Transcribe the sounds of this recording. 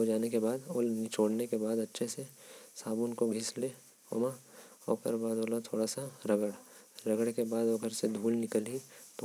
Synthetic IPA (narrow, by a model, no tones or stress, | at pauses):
ɦod͡ʒaːnekebaːd̪oːlnit͡ʃoːɽnekebaːd̪ɐtːʃʰesesaːbʊnkoɡʱɪsleː | o̰maɔ̰ːkə̰ɾbaːd̪oːlat̪ʰoːɽasaɾɐɡəɽ | ɾɐɡəɽkebaːd̪oɐɡəɾsed̪ʱuːlnɪkəlit̪o